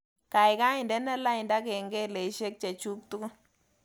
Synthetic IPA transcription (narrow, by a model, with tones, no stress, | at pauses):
ka˨jka˦ɪ˨ndɛ˦nɛ˦la˦ɪ˨nda˦ke˨ŋɡɛ˦le˨˦ʃe˦k̚t͡ʃɛ˨t͡ʃu˦k̚t̪u˦ɡʊ˦